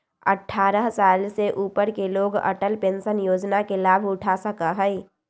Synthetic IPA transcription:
ə̰ʈʰːaːɾəɦsaːlseʔuːpəɾkeloːɡə̰ʈəlpẽnsənjoːd͡ʒnakelaːbʱʊʈʰasəkəɦəi

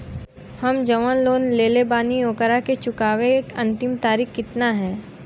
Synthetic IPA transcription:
hɐmd͡ʒɐʋanloːnleːlebaːniõːkəɾaket͡ʃʊkaːʋekɐ̰̃nt̪ɪmt̪aːɾiːxkɪt̪naɦɛ̃ː

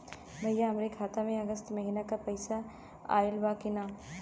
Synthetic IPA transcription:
bʱɐjaɦɐmɾekʰaːt̪amẽɐɡəst̪mɐɦiːnakapɐɪsa | a̰ːɪlbaːkɪnaː

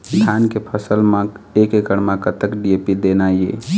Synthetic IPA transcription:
d̪ʱjaːnkepʰəsəlmã | ekekəɽmãkət̪əkɖiepid̪enajḛ

